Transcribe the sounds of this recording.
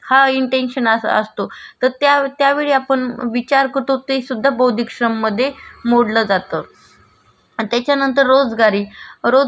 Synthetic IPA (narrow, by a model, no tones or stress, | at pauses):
haiɳʈenɕənəə̰st̪ot̪əɾt̪jat̪jaʋeɭiapəɳʋit͡ɕaɾkət̪ot̪iisud̪ʱːabəwd̪ʱikɕɾəmːəd̪ʱːjemoɽləːd͡zat̪ə | t̪jat͡ɕjanənt̪əɾːod͡zɡaɾiːɾo